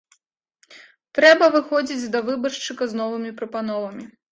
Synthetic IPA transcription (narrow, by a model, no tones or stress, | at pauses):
t̪ɾɛbɐvɨxɔd͡zʲid͡zʲd̪ɐvɨbɐrʂt͡ʂɨkɐznɔvɨmʲipɾɐpanɔvɐmʲi